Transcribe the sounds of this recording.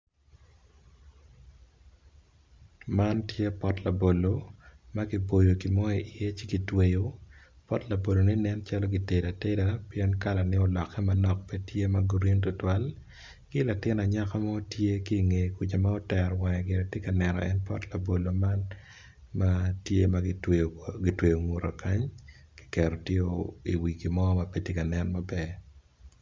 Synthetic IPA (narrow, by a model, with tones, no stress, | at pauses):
ma˦ntje˦pɔ˦tla˨bo˨lo˨ma˦ɡi˦bo˨jo˨ɡi˨mɔ˦i˨ʔɪ˨e˦t͡ʃiɡi˨twe˦jo˦ | pɔ˦tla˨bo˨lo˨nɪ˦nɛ˦nt͡ʃalɔ˦ɡi˨te˨da˨te˦dapjɛ˦nka˦la˨nɪ˦ɔ˨lɔ˨kːɛ˦ma˨nɔ˨k̚pɛ˦tje˦ma˦ɡu˨ɾi˦ŋtʊ˦twa˦l | kɪla˨tɪ˦na˨ɲa˦ka˦mɔ˦tje˦kiː˦˨ŋe˨ku˨t͡ʃa˨ma˦ɔ˦tɛ˨rwɛ˨ŋɛ˨ɡɪ˨ɾɛ˨te˦ka˨nɛ˨nɔ̰˨ʔɛ˦npɔ̰˦tla˨bo˨lo˨ma˦n | ma˦tje˦maɡ | ɡɪ˨twe˨jo˨ŋu˨ɾa̰˨ka˦ɲ | kɪ̥˦kɛ˨ɾɔ˨tje˦oi˨wi˨ki˨mɔ˦ma˨pe˦tje˦ka˨nɛ˦nma˦bɛ˦